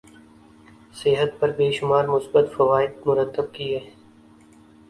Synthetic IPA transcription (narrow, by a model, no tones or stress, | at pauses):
sɪɦət̪pɐɾbeːʃʊmaːɾmʊsbət̪fɐʋaːɪd̪̚mʊɾət̪ːəb̚kiɛː